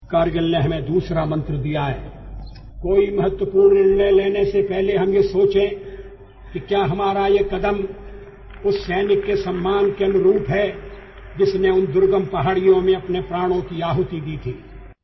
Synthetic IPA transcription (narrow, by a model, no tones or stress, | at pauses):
kaːɾɡəlneɦɐmẽd̪uːsɾamɐ̃nt̪ɾəd̪ijaɦɛ̰ː | koːimɐɦət̪wəpuːɾnɪɳleleːnesepɛɦleɦɐmjesoːt͡ʃẽ | kikjaːɦɐmaːɾajekɐd̪əm | ʊsːɛːnɪkːesɐmːaːnkeɐnʊɾuːpɦɛː | d͡ʒɪsneʊnd̪ʊɾɡəmpɐɦaːɽijõmẽɐpnepɾaːɽ̃õkiaːɦʊt̪id̪iːt̪ʰiː